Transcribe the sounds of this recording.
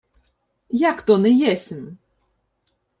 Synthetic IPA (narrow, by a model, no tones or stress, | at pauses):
jakt̪ɔnɛjɛsʲɪm